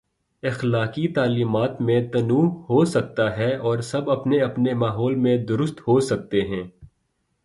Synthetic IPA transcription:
ɪxlaːkit̪aːliːmaːt̪mẽt̪ɐnuːhosɐk̚t̪aɦɛɔːɾsɐbɐpneɐpnemaːɦɔːlmẽd̪ʊɾʊst̪ɦosɐk̚t̪eɦɛ̃ː

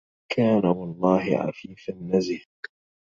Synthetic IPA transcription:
kʰaːnawɑlˤːɑːhɪ̰ʕa̰fiːfanːazɪh

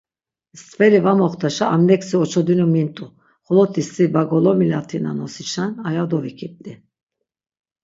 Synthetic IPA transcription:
st̪fɛɾivamɔχt̪ʰaʃaʔamnɛksiɔt͡ʃʰɔd̪ynumint̪ʼu | χɔlɔt̪ʰist̪ibaɡɔlɔmilat̪ʰina̰nɔsit͡ʃʰanajad̪ɔvikʰit̪̚t̪i

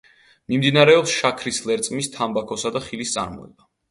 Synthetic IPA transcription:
mimd̪inaɾɛɔpsʃakʰɾislɛɾt̪sʼmist̪ʰambakʰɔsad̪aχilist̪sʼa̰ɾmɔ̰ɛ̰b̥a

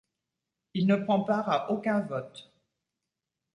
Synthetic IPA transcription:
ilnəpχɑ̃paʁaʔokʲɛ̃vɔt̪

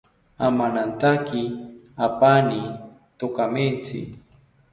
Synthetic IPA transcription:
amanant̪akɪ | apani | t̪okamɪnt͡sɪ̰

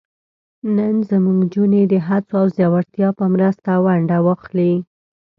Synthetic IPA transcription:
nənzəmuŋɡd͡ʒuned̪əɦat͡soawzjɑwaɾt̪jɑpəmɾəst̪awaɳɖawaxli

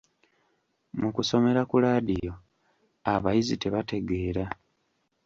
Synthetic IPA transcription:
mukuso̞me̞ɾakulaːdijo̞ | aβajizite̞βate̞ɡe̞ːɾa

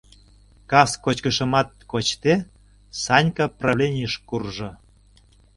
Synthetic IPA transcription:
kɑskot͡ɕkəʃə̆mɑt̪̚kot͡ɕt̪e | sɑnʲkɑprɑβlʲenʲijəʃkurʒŏ

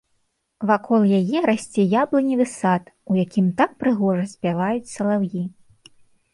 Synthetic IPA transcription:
vakʰɔlˠjajɛɾasʲt͡sʲɛjablˠɨnʲid̪ɨsat̪ujakʲimt̪ak̚pɾɨɣɔʐɐsʲpʲavajut͡sʲsɐlˠawji

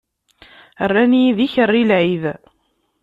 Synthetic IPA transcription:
ərːæniiðiçərːilʕið

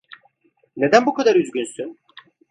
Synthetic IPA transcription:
ne̞d̪ænbukʰad̪aɾyzɟʲynsyn

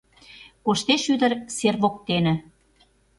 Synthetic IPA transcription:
koʃt̪eʃyd̪ə̆rserβok̚t̪enə̆

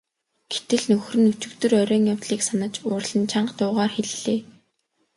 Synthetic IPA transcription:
ɡ̥et̪ɘ̆ɮnɵxrɘ̆nut͡ɕɵ̆kt̪ɵ̆rœɾʲœːŋjawt̪ɮiːksanə̆t͡ɕʊːrɮə̆nt͡ɕʰaɴɢt̪ʊːʁaːrxeɮɮeː

